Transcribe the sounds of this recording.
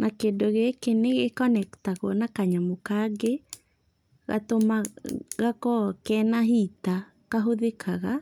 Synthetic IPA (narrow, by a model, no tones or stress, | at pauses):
nʔakedoɣekeneɣekɔnɛktaɣoɔnakaɲamokaɡe | ɣa̰t̪omaɣakɔkɛnaɦit̪a | kaɦoðekʰaɣa